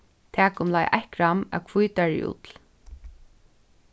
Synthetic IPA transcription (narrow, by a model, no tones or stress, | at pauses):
t̪ʰæːkʊmlajʔa̰hkɹamæ̰wkʰvujt̪aɹɪ̰ʔṵt̪l̩